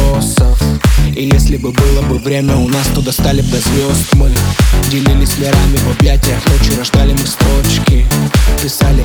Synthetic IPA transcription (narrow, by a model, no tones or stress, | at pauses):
osəfijesʲlʲɪbɨbɨlˠəbɨvɾʲemʲəʊnast̪od̪ɐst̪alʲɪpɾʲɐzʲvʲost̪mɨdʲɪlʲɪlʲɪsʲlʲɪɾamʲɪvɐblʲætʲɪjəxnot͡ɕɪɾɐʐd̪alʲɪmɨst̪ɾot͡ɕkʲɪpʲɪsalʲɪ